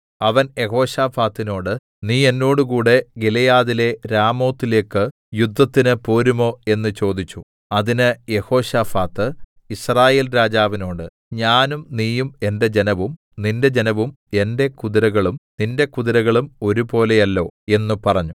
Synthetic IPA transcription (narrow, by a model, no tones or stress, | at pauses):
ɐʋɐnje̞ho̞ːɕaːfaːt̪ːino̞ːɽɨ | niːe̞nːo̞ːɽɨkuːɽe̞ɡelejaːðile̞ɾaːmo̞ːt̪ːile̞ːkːɨ | jud̪ʱːɐt̪ːinɨpo̞ːɾumo̞ːe̞nːɨt͡ɕo̞ːd̪it͡ɕːu | ɐðinɨje̞ho̞ːɕaːfaːt̪ːɨ | israːje̞ːlɾaːd͡ʑaːʋino̞ːɽɨ | ɲaːnumniːjume̞nde̞d͡ʑe̞nɐʋum | ninde̞d͡ʑe̞nɐʋum | e̞nde̞kuðiɾɐɣɐɭumninde̞kuðiɾɐɣɐɭumo̞ɾupo̞ːle̞jɐlːo̞ːe̞nːupɐrɐɲːu